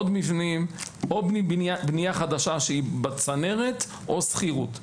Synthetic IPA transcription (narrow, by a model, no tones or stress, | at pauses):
od̪mivnimobnibnibnijaχad̪aʃaʃeibat͡sane̞ʁet̪ | ʔo̞sχiʁut̪